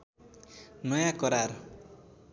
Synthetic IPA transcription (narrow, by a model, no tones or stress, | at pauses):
nʌjãkʌɾar